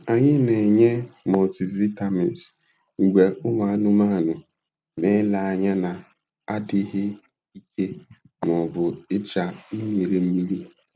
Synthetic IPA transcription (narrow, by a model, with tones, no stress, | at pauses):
a˨ɲɪ˦ne˨ɲe˦mɔ˨ti˨vi˦ta˦mɛ˨nt | ŋ̩˨ɡʷe˨ʊ˦ŋʷa˨a˦nʊ˦ma˦˨nʊ˨ | me˦la˨a˨ɲa˦na˨ | a˦dɪ˦ɦɪ˦ | i˦ke˦ | m˨ɔ˨bʊ˨ɪ˦t͡ʃa˨mi˦mi˨ɾe˨m̩˦mi˦li˦